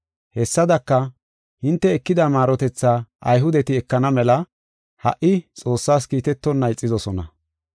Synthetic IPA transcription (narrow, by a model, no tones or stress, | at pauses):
hɛsːɐd̪ɐkːɐ | hɪnt̪ːɛɛkːɪd̪ɐmaːɾɔt̪ɛt͡sːaːʔɐ̰jɦʊd̪ɛt̪ɪɛkːɐnɐmɛlɐ | hɐ̰ʔɪt͡sʼo̞ːsːaːs̬kiːt̪ɛt̪ːɔnːɐjt͡sʼːɪzɔsɔnɐ